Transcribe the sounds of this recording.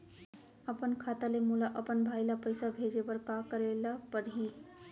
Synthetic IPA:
əpənkʰat̪alemulaʔəpənbʱajlapəjsabʱed͡ʒebəɾkakəɾelapəɾɦi

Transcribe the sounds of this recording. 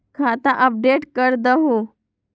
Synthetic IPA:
kʰat̪aʔəp̚ɖeʈkəɾd̪əɦu

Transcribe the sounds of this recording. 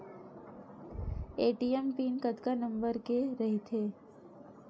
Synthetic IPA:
eːʈiːempiːnkət̪kanə̃mbəɾkeɾɐɦit̪ʰeː

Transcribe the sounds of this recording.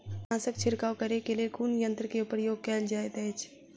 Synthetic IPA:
ãːsəkt͡ʃʰɪɾkaːwkəɾekeliekuːnjə̃nt̪ɾəkeupəɾjoːɡ̚kɛːld͡ʒaːet̪ɛːt͡ʃʰ

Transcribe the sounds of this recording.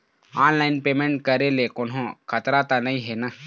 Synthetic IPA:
aːnlɐjnpemeɳʈ̚kɐɾelekonɦõkʰɐt̪ɾat̪ɐnɐjɦena

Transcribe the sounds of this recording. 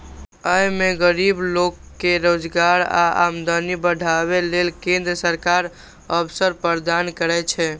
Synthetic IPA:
əjmeɡəɾiblokːeɾod͡ʒɡaɾa̰a̰md̪ənibəɖʱaβelelkẽnd̪ɾəsəɾkaɾ | əbsəɾpəɾd̪ankəɾɛt͡ʃʰɛ

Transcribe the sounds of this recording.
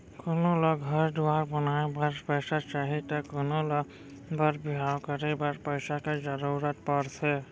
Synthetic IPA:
konolɔɡʱʌɾduwaɾbɔnaebaɾpəjsat͡ʃaɦit̪akonolɔ | baɾbiɦawkəɾebaɾpəjsaked͡ʒʌɾuɾət̪̚pɔɾt͡ʃʰɛ

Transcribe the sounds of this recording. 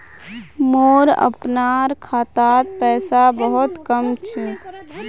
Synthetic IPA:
moːɾə̰pnaɾkʰaːt̪aːt̪̚pɛːsabəɦʊt̪kəmt͡ʃʰɛ

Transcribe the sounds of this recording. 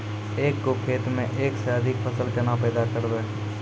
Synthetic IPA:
eːkːokʰeːt̪mẽʔeːksd̪ʱɪkpʰəsəlkenapɛːd̪akəɾbeː

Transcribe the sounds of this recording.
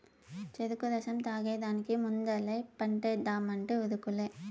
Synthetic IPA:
t͡ʃɛðɯkːɯðɐsɐmt̪aːɣɐjðaːnɯkːimʊnd̪ɐlɐɪpɐɳʈɐd̪aːmɐɳʈɯɔðɯkːɯlːe

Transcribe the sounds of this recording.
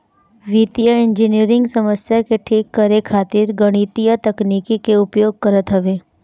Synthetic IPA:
ʋiːt̪ijəɪ̃nd͡ʒɪniəɾɪ̃ŋɡsɐməsjakeʈʰiːkːəɾekʰaːt̪ɪɾɡəɽ̃it̪ijat̪ɐkniːkikeʊpjoːɡ̚kɐɾət̪ɦɐʋeː

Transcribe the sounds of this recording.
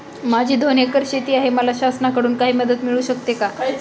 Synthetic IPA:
mad͡ʑʱiːd̪ʱonekəɾɕet̪iːaɦeməlaɕasnakəɽuːnkaɦiːməd̪ət̪miɭuːɕəkt̪eka

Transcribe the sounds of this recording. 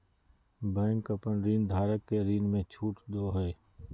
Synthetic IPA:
bɛ̃ːŋkəpəɳɾiːnd̪ʱaːɾəkːeɾiːnmẽt͡ʃʰuːʈd̪oːɦɛː

